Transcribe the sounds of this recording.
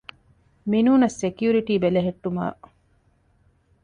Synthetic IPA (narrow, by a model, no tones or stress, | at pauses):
minuːnɐsːekjuːɾiʈiːbeleɦeʈːuma̰ː